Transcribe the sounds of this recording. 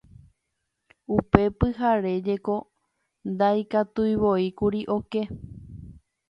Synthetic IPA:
upe̞pɨɦaɾe̞d͡ʒe̞ko̞ | nd̪ajkat̪ujʋoikuɾiʔo̞ke

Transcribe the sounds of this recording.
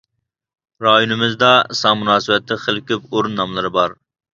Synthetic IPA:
ɾɑːjunɪmɪzd̪ɑsɑŋmunɑːsɨwɛt̪ʰːɪχəlˠkʲypoɾunːɑmlˠɨɾɨbɑɾ

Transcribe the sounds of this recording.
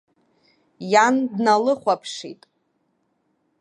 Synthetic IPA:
jandnalɨχʷapʰʂḭtʼ

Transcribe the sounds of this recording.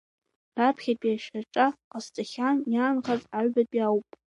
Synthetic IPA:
rapʰχʲatʼiaʃaʈ͡ʂʼaqʼastʼaχʲanjaːnχazʼaɥbatʼiawpʼ

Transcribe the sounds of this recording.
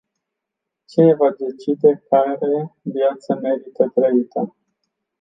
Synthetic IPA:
t͡ʃinevad̪e̞t͡ʃid̪e̞kaɾe̞vjat̪səme̞ɾit̪ət̪ɾəit̪ə

